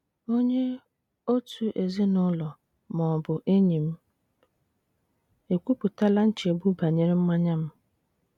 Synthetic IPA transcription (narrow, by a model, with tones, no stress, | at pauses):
o˦ɲe˦ | o˦tʰu˨ʔe˨zi˦nʊ˦lɔ˨ | mɔ˨bʊ˨ʔe˦ɲĩ˨m̩˦ | e˨kʷu˦pu˨ta˦la˦n̩˦t͡ʃɪ˨e˨bu˦ba˨ɲɪ˦ɾɪ˦m̩˦ma˦ɲa˦m̩˦